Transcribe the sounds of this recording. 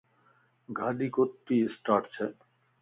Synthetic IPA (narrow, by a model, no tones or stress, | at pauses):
ɡʱaɖikot̪ːisʈaʈt͡ɕʰe